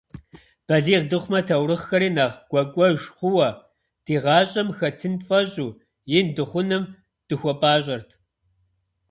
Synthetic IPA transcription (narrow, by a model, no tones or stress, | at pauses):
b̥ɐɮiːʁdɨχʷʊmɐtʰɐwrɨχxɐɾiːnaːʁɡ̥ʷɐkʷʼɔʒχʷʊwɐ | tʰiːʁɑːɕʼɐmxɐtʰɨnfʼɐɕʼuː | jɪndɨχʷʊnɨm | d̥ɨxʷɔpʼaːɕʷʼɐrtʰ